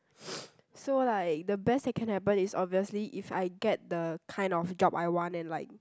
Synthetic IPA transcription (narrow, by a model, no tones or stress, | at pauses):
solaɪk̚dəbɛsdɛt̚kʰɛ̃nhɛpə̃nisɔbviəsliʔifa̰jɡɛt̚dəkʰãɪ̃ndɔfd͡ʒɔbajwɔ̃ntɛ̃nlaɪk̚